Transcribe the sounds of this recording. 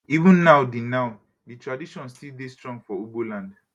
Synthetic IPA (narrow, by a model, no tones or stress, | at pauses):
ivũnːaʊdinãʊ | ditʰɹadiʃɔ̃nstildestɹɔ̃ŋɡfɔubolãnd